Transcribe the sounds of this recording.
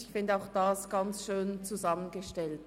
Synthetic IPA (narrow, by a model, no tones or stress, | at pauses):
ɪçfɪndəaʊxd̥asɡ̥ɑnt͡sʃøːnt͡suzɑmənɡəʃtɛlt